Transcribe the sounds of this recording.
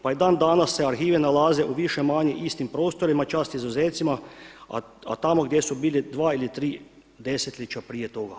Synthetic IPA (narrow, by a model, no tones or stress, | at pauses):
paid̪aːnd̪aːnasːeaɾxiːʋɛnalaːzeʔuʋiʃemaːɲeʔist̪impɾoːst̪oɾimat͡ʃaːst̪izuzeːt̪sima̰ | a̰t̪amoɡd̪jesubiːlid̪ʋaːilit̪ɾiː | d̪eset̪lʲit͡ʃapɾiːjet̪oɡa